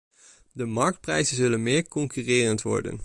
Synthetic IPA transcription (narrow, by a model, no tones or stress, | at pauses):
dəmɑɹk̚t̚prɛjzənzɵlənmɪːɹkɔŋkyrɪːrəntʋɔ̰ɹdə̰n